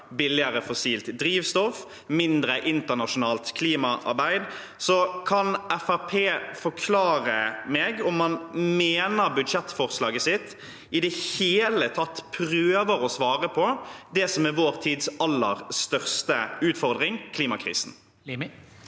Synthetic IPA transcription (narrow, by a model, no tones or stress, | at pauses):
bɪlːɪəɾəfɔsiːlt̪d̪ɾiːʋst̪ɔf | mɪnd̪ɾəʔɪnt̪ənɑʂʊnɑːlt̪kʰliːmɑʔɑ̰ʁbæɪd̪ | sɔkʰɑnɛfæpʰeːfɔkʰlɑːɾəmɛːɡɔmːɑnmeːnəɾbʉd̪ʂɛt̪ːfɔʁslɑːɡəsɪt̪ː | ɪd̪ɛheːlət̪ʰɑt̪ːpʰɾøːʋəɾɔsʋɑːɾəpʰɔd̪ɛsɔmɪʋoːɾt̪ʰiːd̪sɑlːəɾst̪œʁst̪əʉːt̪fɔʁd̪ʁɪŋkʰliːmɑkʰɾḭːsn̩